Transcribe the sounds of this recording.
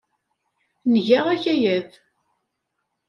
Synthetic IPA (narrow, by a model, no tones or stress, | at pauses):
nʝæʁæçæjæð